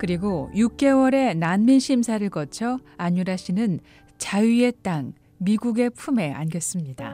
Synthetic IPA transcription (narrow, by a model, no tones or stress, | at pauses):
kɯɾiɡojuk̚k͈e̞wʌɾe̞nanminɕʰimsʰaɾɯɭkʌt͡ɕʰʌaɲuɾaɕʰinɯn | t͡ɕaie̞t͈aŋ | miɡuɡe̞pʰume̞a̰nɡjʌs͈ɯmɲida̰